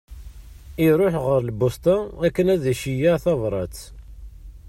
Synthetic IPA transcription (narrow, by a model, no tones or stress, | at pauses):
iɾˤoħʁəɾlbʊst̪aækːənæðæʃijaθɑvɾˤɑt͡s